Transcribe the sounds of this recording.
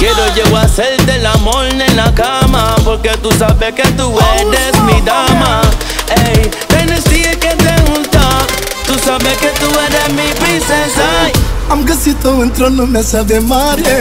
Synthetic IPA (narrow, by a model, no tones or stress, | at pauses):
keɾod͡ʒewaselt̪elamoɾnenakamapoɾket̪usabeket̪uedesmid̪ama | ej | t̪enesieket̪eɣũnt̪a | t̪usabeket̪uɛɾesmipɾisesaãmɡesit̪oẽnt̪ɾonumesaðemaɾe